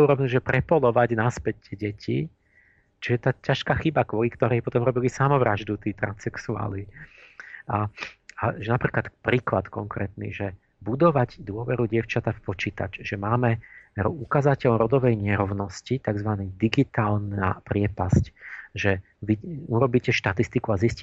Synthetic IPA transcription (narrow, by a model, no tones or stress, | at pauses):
uɾɔʋnuʒɛpɾɛpɔlɔʋaɟnaspɛɛɟɛcḭ | t͡ʃiɛt̪aːcaʃkaːxibakʋɔlikt̪ɔɾɛɪjpɔt̪ɔmɾɔbilisamɔʋɾaʒd̪ut̪iːt̪ɾa̰nsɛksua̰ːli | ʔaaʒɛnapɾiːklat̪pɾiːklat̪kɔŋkɾɛːt̪nḭʒɛ | bud̪ɔʋaɟd̪ʊɔʋɛɾuɟɪɛʊt͡ʃat̪afpɔt͡ʃiːt̪a̰t͡ʃʒɛmaːmɛɾɔukazacɛʎɔɾɔd̪ɔʋɛjɲɛɾɔʊnɔscit̪aɡzʋanid̪iɡit̪aːlna̰pɾɪɛpascʒɛ | ʋiuɾɔbiːcɛʃt̪at̪ist̪ikuazisci